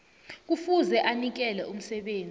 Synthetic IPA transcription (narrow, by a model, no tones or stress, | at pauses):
k̬ufuzɛʔanik̬ɛlɛʔum̩sɛɓeːnd͡zʱ